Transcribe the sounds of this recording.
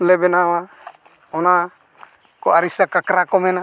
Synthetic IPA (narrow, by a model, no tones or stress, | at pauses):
lɛbɛnawa | ɔna | kɔaɾisakakɾakɔmɛna